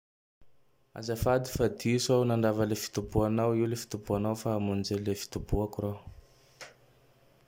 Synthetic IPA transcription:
a̰zafad̪i̥fad̪isownaɳɖ͡ʐavalefi̥t̪ubuanawiwlefi̥t̪ubuanawfaːmunizelefi̥t̪ubuakuro

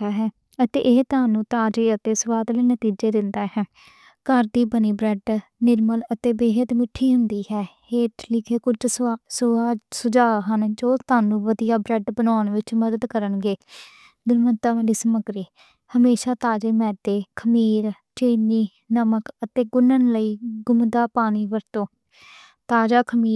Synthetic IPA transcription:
aːɦɛː | ət̪ḛːʔɪɦt̪aːnũːt̪aːd͡ʒeːət̪eːsʊʋaːd̪liːnət̪iːd͡ʒeːd̪ɪnd̪aːɦɛː | kəɾd̪iːbəniːbɾɛɖnɪɾmələt̪eːbeːɦət̪mɪʈʰːiːɦʊnd̪iːhɛːheːʈʰlɪkʰeːkʊt͡ʃssaːsʊd͡ʒaːɦənd͡ʒoːt̪aːnũːʋəd̪ijaːbɾɛɖbənaːnʋɪt͡ʃməd̪əd̪kəɾənɡeː | d̪ʊnmənt̪aːʋaliːsəməɡɾiː | həmeːʃaːt̪aːd͡ʒeːmɛ̃ːd̪eːkʰəmiːɾt͡ʃeːniː | nəməkət̪eːɡʊnənləiːɡʊmd̪aːpaːniːʋəɾt̪õː | t̪aːd͡ʒaːkʰəmiː

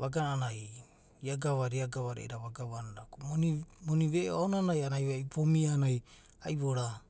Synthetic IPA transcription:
βaɡananaj | iaɡaβaɾiaɡaβaɾḛḭɾaβaɡaβanaɾakumonimoniβeʔaonanajanajajpomianaj | ajβoɾa

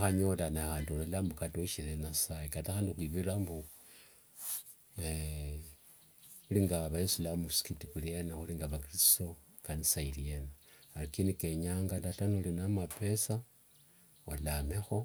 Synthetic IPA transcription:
xaɲo̞lanahandlolambukatoʃilenasajekataxaːndixwiβiɾambu | uliŋɡaβajesulamuskitikulenaxuliŋɡaβakiɾisto̞ | kanisailienaalikinike̞ɲaːŋɡatatanulinamape̞sa | olamexo̞

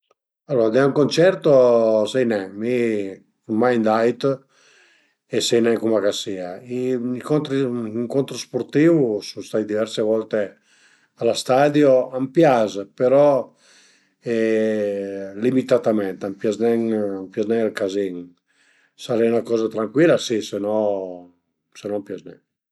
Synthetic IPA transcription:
alːɔɾad̪ɛuŋkont͡ʃɛɾt̪osɛjnɛmi | kummajnd̪ajt̪ | esɛjnɛŋkumakasiaiikont̪ɾiiŋkont̪ɾuspoɾt̪iːvusust̪ajd̪ivɛɾsevɔlt̪e | alast̪ad̪joampjazpeɾɔ | ɛ | limit̪at̪amɛnt̪ampjaznɛŋampjaznɛŋalkaziŋ | saɾɛjunakɔːzat̪ɾaŋkwilːasisenɔ | senɔmpjaznɛŋ

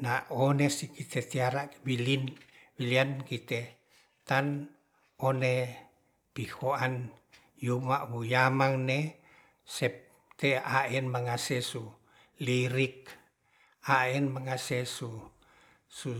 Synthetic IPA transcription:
naonesikit̪ʰet̪iaɾawilin | wiliankit̪e | t̪an | one | pihoan | jumaʔbujamaŋne | sɛp̚ | t̪eaɛnməŋasɛsu | liɾik̚ | aɛnməŋasesu | su

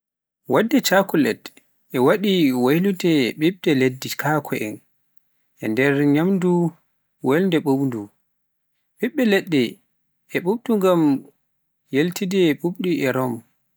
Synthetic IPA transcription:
wadːɛt͡ʃakulɛ̰t | ʔɛwaɗiwajlutɛɓiɓdɛledːikʰakʰɔʔɛn | ʔɛndɛɾɲamdu | wajlndɛɓoɓndu | ɓiɓːɛlɛɗːɛ | ʔɛɓuɓduŋɡam | jeltidɛɓuɓɗiɛɾɔm

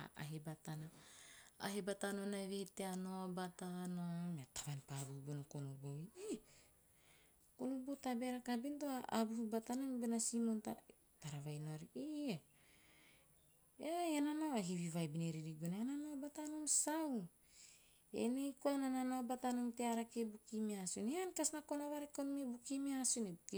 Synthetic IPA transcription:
a̰a̰ɦebatana | a̰ɦebatanonaevehteanoabatanomatḁvanpabubunokonuboi | konubotabeɾakabintoaʔabuhubatanombenasimonta | taɾavajnoɾiʔia | ejananaβaɦiβivajbineɾiɾiɡunaananobatanoŋsaw | ḛnejkoanananobatanoŋteaɾakebukimiasuneankasnakonoβaɾekonomibukimiasunebuki

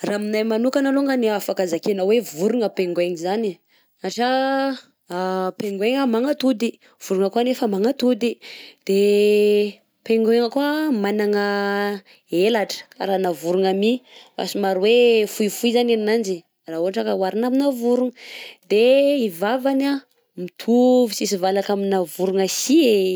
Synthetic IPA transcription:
raminajmanukanaloŋɡaniafakazakenawevuɾuŋəpeŋɡweŋizani | aʈ͡ʂə | peŋɡweŋəmaŋat̪ud̪i | v̥uɾuŋəkuanefəmaŋat̪ud̪id̪̥e | peŋɡweŋəkuamanaŋə | elaʈ͡ʂə̥ka̰ɾanavuɾuŋamia̰simaɾuwefuifuizaneninand͡ʒi | rauɦaʈ͡ʂəkəwaɾinaminavuɾuŋəd̪eivavana | mit̪ʰuvisisivalakaminavuɾuŋəsie

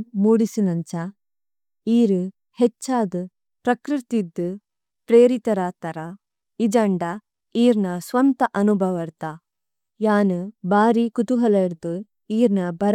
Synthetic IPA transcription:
muːɽisinɐɲt͡ʃa | iːɾu | het͡ʃːaːd̪u | pɾɐkɾɨt̪id̪ːu | pɾeːɾit̪ɐɾat̪ɐɾɐ | id͡ʒɐɳɖɐ | iːɾnɐsʋɐnt̪ɐʔɐnubʱɐʋɐɾt̪a | jaːnubaːɾikut̪uɦɐleɾt̪u | iːɾnɐbɐɾ

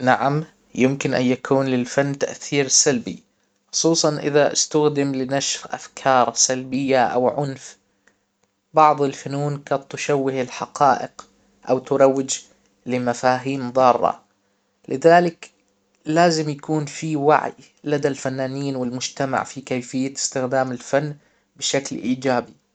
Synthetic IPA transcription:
naʕam | jɪmkɪnʔa̰njakʰuːnlɪlfanːt̪aʔθiːɾsalbḭ | xʊ̥sˤuːsˤɑnʔɪðaʔɪ̰st̪axd̪ɪmlɪnaʃfʔa̰fkʰɑːɾˤsalbɪjːaʔa̰wʕʊnf | bɑʕðˤɪlfanuːnqɑt̪t̪ːʊʃawːɪhɪlħaqɑːʔɪq | ʔawt̪ʊɾˤɑwːɪd͡ʒ | lɪmafaːɦiːmðˤɑːrˤːɑ̰ | lɪðaːlɪk | laːzɪmjakuːnfiwa̰ʕj | lad̪alfanːaːniːnwɪlmʊd͡ʒt̪ama̰ʕfikajfɪjːaɪ̥st̪ɪxd̪aːmɪlfanː | bɪʃaklʔiːd͡ʒaːbi

